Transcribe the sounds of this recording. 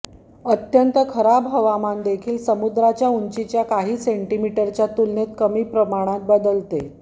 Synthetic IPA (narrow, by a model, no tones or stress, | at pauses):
ət̪jənt̪əkʰəɾabɦəʋamand̪ekʰiːlsəmud̪ɾat͡ɕjauɲt͡ɕit͡ɕjakaɦiːseɳʈimiʈəɾt͡ɕjat̪ulnet̪kəmiːpɾəmaɽ̃ãt̪̚bəd̪əlt̪e